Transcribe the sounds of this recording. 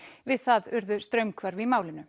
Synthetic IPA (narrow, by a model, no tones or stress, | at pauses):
vɪðθaðʏɾðʏst̪ɾœɥmkʰvaɾvɪmaːwlɪnʏ